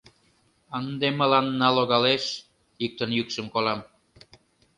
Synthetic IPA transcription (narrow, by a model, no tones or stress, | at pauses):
ənd̪eməlɑnːɑloɣɑleʃ | ik̚t̪ə̆njykʃə̆mkolɑm